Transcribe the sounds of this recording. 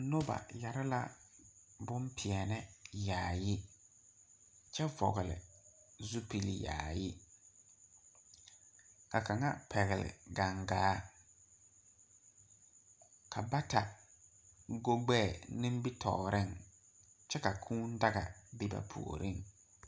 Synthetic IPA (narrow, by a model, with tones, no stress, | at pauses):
no˦ba̰˨ja˨ɾɪ˦la̰˦ | bʊ˦mpʰɪ˨ɛ˨nɛ˦jaː˨jɪ˦ | t͡ʃɛ˦vɔ̰˨ɣɪ˨lɪ̰˨ | zu˦pi˨li˨ja̰ː˨jɪ˦ | ka˨ka˨ŋa̰˦pʰɛ˨ɣɪ˨lɪ̰˨ɡa˨ŋɡaː˦ | kʰa˨ba˦ta˨ | ɡo˦ɡ͡bɛ˦˨nɪ̃˦m˦bi˦tʰɔ˨ɾɪ˦˨ŋ | t͡ʃɛ˦ka˨kʰuː˦n˦da˦ɣa̰˨bi˦ba̰˨pʰṵ˨o̰˨ɾi˦˨ŋ